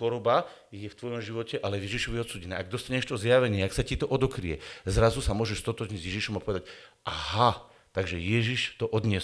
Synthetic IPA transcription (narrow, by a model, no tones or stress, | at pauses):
xɔɾɔba | jɛft̪ʋɔjɔmʒiʋɔcɛʔalɛvjɛʒiʃɔʋiɛɔt̪suːɟɛnɛːʔaɡ̚d̪ɔst̪aɲɛʃt̪ɔzjaʋɛɲɪɛaksacit̪ɔʔɔd̪ɔkɾijɛ̰zɾazusamʊɔʒɛʃst̪ɔt̪ɔʒɲiɟzjɛʒiʃɔmapɔʋɛd̪aɟʔaha | t̪aɡʒɛjɛʒiʃt̪ɔʔɔd̪ɲɪɛs